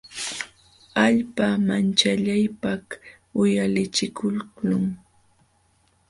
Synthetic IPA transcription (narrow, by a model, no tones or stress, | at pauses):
aʎpamant͡ʃaʎajpah | ʊjalɪt͡ʃɪkʰʊllʊŋ